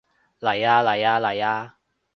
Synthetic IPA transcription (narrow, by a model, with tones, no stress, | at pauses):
lɐ˨˩jaː˦la˨˩jaː˧lɐ˨˩ja˧